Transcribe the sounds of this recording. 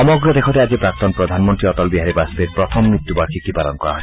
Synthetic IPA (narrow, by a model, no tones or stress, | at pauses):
ɔmɔɡɾɔd̪ekʰɔt̪ead͡ʒipɾak̚t̪ɔnpɾɔd̪ʱanmɔnt̪ɾiɔt̪ɔlbiɦaɾibaspeɾpɾɔt̪ʰɔmːit̪ːjubaɾkʰikipalɔnkɔɾa̰ɦɔe